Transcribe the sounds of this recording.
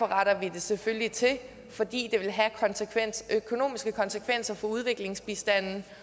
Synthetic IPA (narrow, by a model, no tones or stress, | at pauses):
ɒʁɑɾ̥ɐʋid̥e̝seføljit͡sʰe̝ | fɒ̽d̥ḭːd̥e̝ʋe̝lɦækʰɒnskʰʋeøkʰo̝no̝̰ːmisɡ̥əkʰɒ̽nsəkʰʋen̰sɐfɒ̽uð̞ˠʋe̝ɡ̥le̝ŋsb̥isd̥æn̰n̩